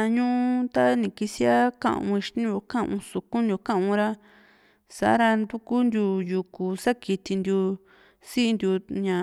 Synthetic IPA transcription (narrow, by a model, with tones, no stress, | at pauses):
a˧ɲũ˦ʔu˦t̪a˦nĩ˧˨ki˧si˦a˦kã̰˧ʔṵ̃˧i˧ʃt̪ĩ˦u˧kã˦ʔṵ̃˧su˧kũ˦nd̪ʲu˧kã˦ʔũ˧ɾa˦ | sa̰˨˦ɾa˧nd̪u˦ku˦nd̪ʲju˧ju˧ku˨sa˦ki˧t̪i˧nd̪ju˧ | si˦ʔnd̪ʲju˧ɲã˨